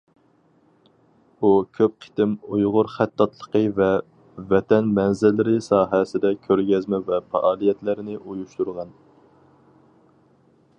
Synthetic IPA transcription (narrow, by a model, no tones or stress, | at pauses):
ukʲʰøp̚qʰi̥t̪ɪmujʁʊɾχæt̪ːɑt̪lˠə̥qəvɛ | vɛt̪ʰɛnmɛnzɪlːɪɾɪsɑːɦɛsɪd̪ɛkʲʰøɾɡʲɛzmɛvɛpʰɑ̰ʔɑːlˠijɛt̪lɪɾɪnɪʔujuʃt̪uɾʁɑn